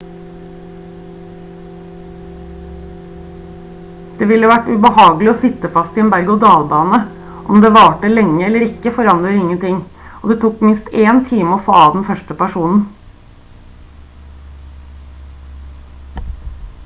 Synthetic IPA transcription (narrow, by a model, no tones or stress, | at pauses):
d̪̥eːʋɪləʋæʈːʉbəhɑːɡlɪoːsɪt̪əfɑst̪ɪɛnbæɾɡʊd̪ɑːlbɑːnə | ʔɔmd̪eːʋɑːʈəlɛŋːəɛlːəɾɪkːəfɔɾɑnd̪ɾəɾɪŋːənt̪ɪŋoːd̪eːt̪ʰuːkmɪnst̪eːnt̪ʰiːməoːfoːɑd̪ɛnfœʂʈəpæʂuːnn̩